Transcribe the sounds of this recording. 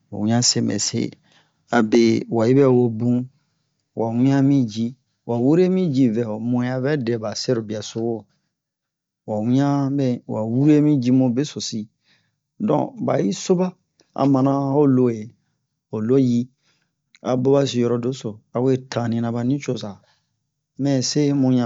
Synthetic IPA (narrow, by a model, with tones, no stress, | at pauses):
wa̰˨wĩ˦ã˦se˦mɛ̰˨sḛ˦ | a˨be˨wa˨ji˦bɛ˦˨wo˧bũ˦ | wʔa˨wĩ˦ã˦mĩ˦d͡ʒi˦ | wa˨wu˦ɾe˦mĩ˦d͡ʒi˦vɛ˨o˨mõ˨˦a˨vɛ˦dɛ˨ba˨se˦ɾo˨bi˨a˨so˦wo˦˨ | wa˨wĩ˦ã˦bɛ˦wa˨wu˦ɾe˦mĩ˦d͡ʒi˦mõ˨˦be˦so˨si˦ | dɔ̰̃˦˨ba̰˨ji˦so˦ba˦ | a̰˨mã˨nã˦ho˦lo˦˨je˨ | o˨lo˦ji˦ | a̰˨bo˦βa˦si˧jɔ˧ɾɔ˨do˦so˨a˨we˦tʰã˨nĩ˧nã˧ba˨nĩ˦t͡ʃo˦˨sa˨ | mɛ̃˦˨se˦mũ˧˦ɲã˨